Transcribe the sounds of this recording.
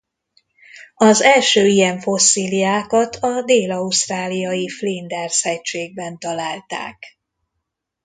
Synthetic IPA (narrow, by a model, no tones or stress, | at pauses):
ɒzɛlʃøːijɛɱfo̞sːiːlijaːkɒt̪ʰɒd̪eːlɒust̪raːlijɒjiflind̪ɛrshɛc̚t͡ʃeːɡ̚bɛnt̪ɒlaːlt̪a̰ːk